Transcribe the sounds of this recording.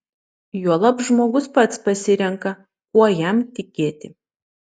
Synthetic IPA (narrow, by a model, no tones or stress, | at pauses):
juɔlˠɐpʒmoːɡʊspɐt̪spɐsʲɪɾʲɛŋkɐ | kuɔjæmt̪ʲɪkʲeːt̪ʲɪ